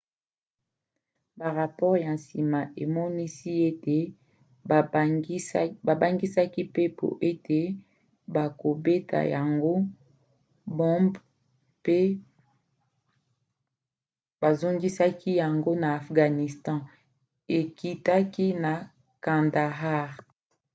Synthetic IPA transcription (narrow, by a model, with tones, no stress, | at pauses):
ba˨ʁa˨pɔ˦ʁja˨si˨ma˨ʔe˨mɔ˦ni˦si˦e˦te˨˦ | ba˨ba˦ŋɡi˦sa˦ki˦pe˦pʰo̰˨ʔe˦tʰe˨ | ba˨ko˨be˦tʰa̰˨ja˨ŋɡo˦ | bɔ̃˦mb | pe˦ | ba˨zo˦ŋɡi˦sa˦ki˦ja˨ŋɡo˦na˨a˨fɡa˨ni˨stɑ̃˦ | e˨ki˦ta˦ki˦na˨ | kã˨nda˨ɦa˦˨ʁ